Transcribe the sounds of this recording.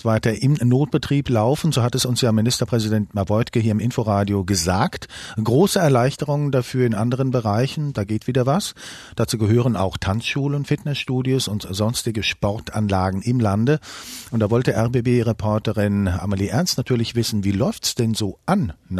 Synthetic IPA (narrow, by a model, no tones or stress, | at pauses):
tv̥aɪtɐʔɪmnoːt̚b̥ətʁ̥iːplaʊfn̩zoːhatɛsʊnsjaːmɪnɪstɐpʁ̥ɛzidɛntmavɔʏtkəhiːɐɪmʔɪnfoʁaːdjoɡəzaːktɡ̥ʁoːsəɛɐlaɪçtəʁ̞ʊŋəndafyːɐɪnʔandəʁ̞ənbəʁaɪçn̩d̥aːɡeːtv̥iːdɐvas | d̥at͡suːɡəɦøːʁ̞əna̰ʊxtʰant͡sʃuːlənfɪtnɛsʃtuːdjosʊntz̥ɔnstɪɡəʃpɔʁta̰nlaːɡŋ̩ʔɪmlandəʔʊntd̥aːvɔltəʔɛɐbeːbeːʁepʰɔɐtəʁɪnʔa̰maliːʔɛɐnstnatʰyːɐlɪçv̥ɪsn̩viːlɔʏftsd̥ɛnzoːʔanː